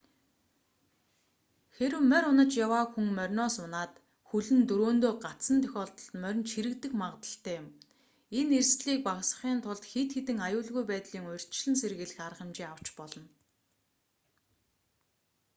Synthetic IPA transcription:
xeɾɘ̆wmœɾʊnə̆t͡ɕjawaːxuŋmœrʲnɔːsʊnaːt̪ | xuɮɘ̆nt̪ɵɾoːnt̪oːɢat̪sə̆nt̪ʰœ̥xʲɔːɮt̪ɞ̆ɮt̪mœɾ̆ʲnt͡ɕxiɾɘ̆kt̪ɘ̆xmaʁt̪ə̆ɬt̪ʰæːʊm | enerst̪ɮiːk̚paksə̥̆χiːnt̪ʰʊɮt̪xet̪xet̪ɘ̆ŋajʊːɮɣujpæːt̪ɮiːŋʊj̆r̥ʲt͡ɕɮɘ̆nserɣɘ̆ɮɘ̆xaɾə̆χɪ̆mt͡ɕiːaw̥t͡ɕpɔɮɞ̆n

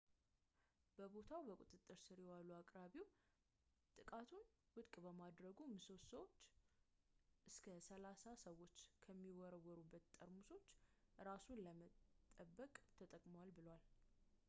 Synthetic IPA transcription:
b̥əbo̞t̪ʰawbəkʼut̪ʼɨt̪ʼːɨɾsɨɾjɛwaluakʼɾaβiw | t̪ʼɨkʼat̪ʰun | wʊt̪ʼkʼbəmad̪ɾəɡumɨsot̪səwot͡ʃː | ʔɨskʰəsəlasasəwo̞t͡ʃːkʰəmːiwɔɾəwɔɾubːət̪t̪ʼːəɾmuso̞t͡ʃːɾasunləmətt̪ʼːəbːəkʼt̪ʰət̪ʼəkʼmowalbɨlwal

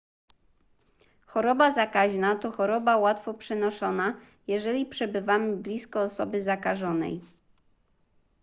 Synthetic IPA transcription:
xɔɾɔbazakaʑnat̪ɔxɔɾɔbawat̪fɔpʂɛnɔʂɔna | jɛʐɛlʲipʂɛbɘvamɘblʲiskɔːsɔbɘzakaʐɔnɛ̰j

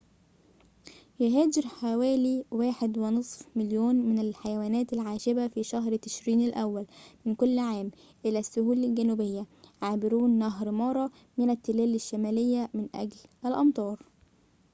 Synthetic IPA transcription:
jʊɦæːd͡ʒɪɾħawæːliːwaːħed̪wɪnɨsˤfmɪljoːnmɪnælħajæwæːnæːt̪ɪlʕaːʒɪbæfiʃæɦɾt̪ɪ̥ʃɾiːnælʔæwːælmɪnkʊlːʕaːm | ʔɪlæsːʊhuːlɪlɡænuːbejːæʕaːbɪɾuːnːæɦɾmɑɾˤɑ | mɪnæt̪ːɪlæːlɪʃːæmæːlɪjːæmɪnʔæ̰ɡlʔælʔɑmt̪ˤɑːɾˤ

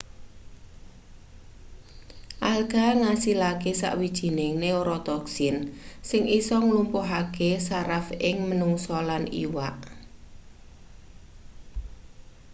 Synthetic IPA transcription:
ʔalɡ̥a̤ŋasilakesa̰ʔwid̥ʒ̥i̤neŋneoɾɔt̪ɔksɪnsɪŋʔisɔŋlumpoɦakesaɾafɪŋmənuŋsɔlanḭwaʔ

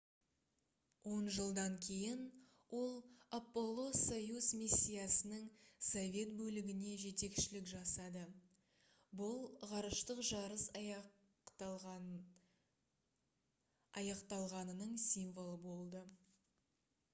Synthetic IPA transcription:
wʔo̞nʒəlˠd̪ɑŋkʲʰe̞jɪn | wʔo̞lˠapːo̞lˠːo̞sːojuzmisʲːijasənəŋsovʲe̞t̪bɵlɪɡʲɪne̞ʒet̪e̞kʃɪlɪkʒɑsɑd̪ə | bʊlˠʁɑɾəʃt̪əqʒɑɾəs | ɑjɑqt̪ɑlˠʁɑnənəɴsijɱvo̞lˠəbo̞lˠd̪ə

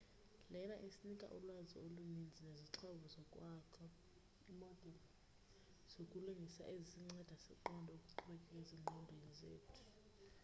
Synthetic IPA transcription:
lɛnaʔesinikʼa̰ʔulwazḭolunind͡zʱineziǁʰɔβuzɔkʼwakʰa | imɔd̥ʱɛli | z̥okʼuluŋɡʱisa̰ʔezsiŋ͡ǀɛd̥ʱasɛǃɔndʱɔokʼuǃuɓɛkʼɛkeziŋ͡ǃʱɔndʱwenizḛːtʰu̥

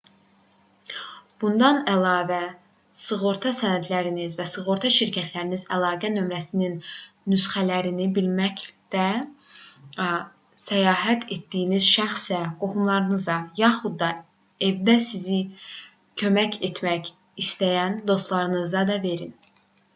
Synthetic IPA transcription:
b̥und̪ɑnælˠɑːvæ | sɯɣoɾt̪ʰɑsænæd̪læɾinizvæsɯɣoɾt̪ʰɑʃiɾcʰæt̪ʰlæɾinizælˠɑːɡænø̞mɾæsininː | ysχælæɾinibilmæcd̪̥æ | sæjɑːɦæt̪ʰe̞t̪d̪ijːniz̥ʃæxsæɡ̥ohumlˠɑɾɯnɯzɑjɑχud̪ːɑ | e̞vd̪æsizi | cʰø̞mæce̞t̪ʰmæç | ist̪æjænd̪o̞st̪lˠɑɾɯnɯzɑd̪ɑve̞ɾin

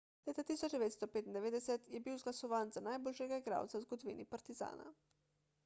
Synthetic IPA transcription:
leːt̪at̪iːsɔd͡ʒd̪ɛʋeːt̪st̪ɔpeːt̪ind̪ɛʋeːd̪ɛsɛt̪jɛbiwzɡlasɔʋaːnzanajboːlʃjɛɡaɡɾa̰ːwt̪sawzɡɔd̪ɔʋḭːnipaɾt̪iza̰ːna̰

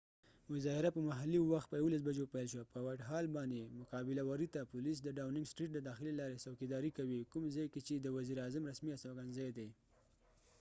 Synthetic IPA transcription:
mʊzɑhɪɾapəmaɦalːiwaxt̪̚pəjawolas̬bad͡ʒopajlʃwapəwaʈɦɑlbɑnd̪emʊkɑbɪlawaɾit̪apʊlis̬d̪əɖawnɪŋɡsʈɾiʈ̚d̪əd̪ɑxɪlelɑɾesawkid̪ɑɾikawikʊmzɑjket͡ʃed̪əwaziɾɑzamɾasmiasawɡanzɑjd̪e

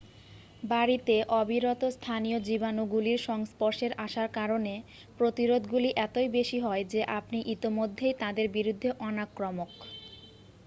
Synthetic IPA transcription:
baɾit̪eʔɔbʱiɾɔt̪ost̪ʰanijod͡ʑibanoɡuliɾʃɔŋspoɾʃeɾʔaʃaɾkaɾone | pɾot̪iɾod̪ʱɡuliʔɛt̪ojbeʃiɦɔed͡ʑeʔapniʔit̪imod̪ʱːejt̪ad̪eɾbiɾud̪ʱːeʔɔnakːɾomok

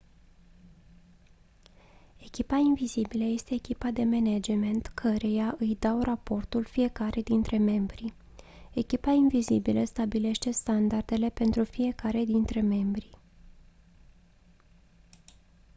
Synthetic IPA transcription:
e̞kʲipainvizibiləje̞st̪e̞ːkʲipad̪e̞mened͡ʒme̞nt̪kʰəɾe̞jaʔɨjd̪awrapo̞rt̪ulfije̞kaɾʔed̪int̪ɾe̞me̞mbɾi | e̞kʲipainvizibiləst̪abile̞ʃt̪e̞st̪and̪ard̪e̞le̞pe̞nt̪ɾufije̞kaɾe̞d̪int̪ɾe̞me̞mbɾi

